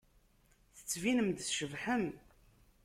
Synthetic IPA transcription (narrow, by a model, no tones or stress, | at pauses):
θə̥t͡sːvinəmd̪sʃəvħəm